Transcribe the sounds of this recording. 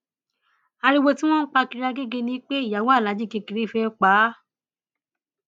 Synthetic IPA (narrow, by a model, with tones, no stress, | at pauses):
a˧ɾi˦˧wo˧tĩ˦w̃ɔ̃˦n̩˦k͡pa˧ki˧ɾa˧ɡe˦ɡe˧nĩ˧˦k͡pe˦i˦˨ja˨wɔ̃˦a˦˨la˨˦d͡ʒĩ˦ki˧ki˨ɾi˨˦˨fɛ˧˦k͡pa˨˦